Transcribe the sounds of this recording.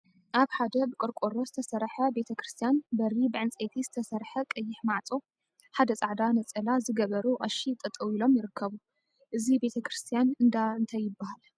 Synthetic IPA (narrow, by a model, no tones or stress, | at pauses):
ʔaβħad̪ɐbɨkʼɨɾkʼoɾo̞zɨt̪ʰɐsɐɾħɐbe̞t̪ʰɐkɾɨst̪ʰijanbɐɾibɨʕɨnt͡sʼet̪ʰiz̥ɨt̪ʰɐsɐɾħɐkʼɐjːɪħmaʕt͡sʼo | ħad̪ɐt͡sʼaʕd̪anɐt͡sʼɐlazɨɡɐβɐɾuʔʼɐʃit̪ʼɐt̪ʼɐwilo̞mjɪɾɨkʰːɐβu | ʔɨzibe̞t̪ʰɐkɾɨst̪ʰjanɨnd̪aɨnt̪ʰajːɪbːahal